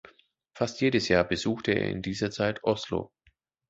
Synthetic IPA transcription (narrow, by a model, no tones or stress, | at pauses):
fastjeːɾəsjaːɐbəzuːxtəḛːɐɪ̰ndiːzɐt͡saɪtʰʔɔslo̰